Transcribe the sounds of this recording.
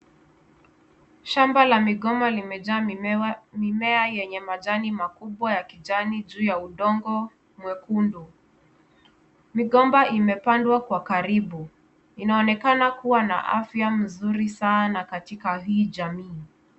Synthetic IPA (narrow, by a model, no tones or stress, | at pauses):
ʃambalamiɠɔmalimɛa | mimɛajɛɲɛmaʄanimakuɓwajakiʄaniʄuːjauɗɔŋɡɔ | mwɛkundu | miɠɔmbaʔimɛpandwakwakaɾiɓu | inaɔnɛkanakuwana̰ʔafjam̩zuɾisanakatikaɦiːʄamiː